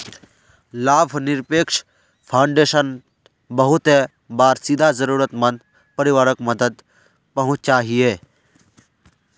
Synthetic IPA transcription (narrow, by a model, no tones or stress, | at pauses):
laːbʱnɪɾpeːkʃ | pʰaːɳɖeːʃən | bɐɦʊt̪e | baːɾsid̪ʱazɐɾuːɾət̪mɐ̃nd̪ | pɐɾɪʋaːɾəkmɐd̪əd̪ | pɐɦʊ̃t͡ʃt͡ʃaːɦieː